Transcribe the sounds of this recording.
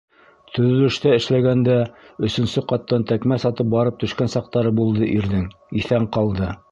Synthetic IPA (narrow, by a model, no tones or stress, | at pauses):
t̪ʰɵ̆ðɵ̆lɵ̆ʃt̪æɘ̆ʃlæɡænd̪æɵ̆sɵ̆nsɵqɑt̪ːɑnt̪ækmæsɑt̪ɤp̚bɑɾɤp̚t̪ɵ̆ʃkænsɑq̚t̪ɑɾɤbulˠd̪ɤʔiɾðɘŋ | iθæɴqɑlˠd̪ɤ